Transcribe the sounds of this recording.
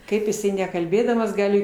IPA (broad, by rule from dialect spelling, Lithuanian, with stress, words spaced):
ˈkɐɪp jɪˈsɐɪ nʲɛkɐlʲˈbʲeːdɐmɐs ˈɡɑːlʲɪ